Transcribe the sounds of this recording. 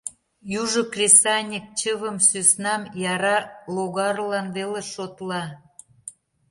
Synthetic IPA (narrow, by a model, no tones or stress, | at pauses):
juʒokrʲesɑnʲik̚t͡ɕəβəmsysnɑmjɑɾɑloɣɑrlɑnveleʃot̪lɑ